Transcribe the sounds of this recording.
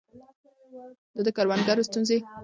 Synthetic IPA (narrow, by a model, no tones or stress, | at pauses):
d̪əd̪əkaɾwanɡaɾost̪unze